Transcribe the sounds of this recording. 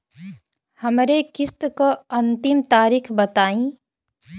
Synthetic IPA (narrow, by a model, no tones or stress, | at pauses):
hɐmɾekɪst̪koɐ̃nt̪ɪmt̪aːɾiːkʰbɐt̪aːĩː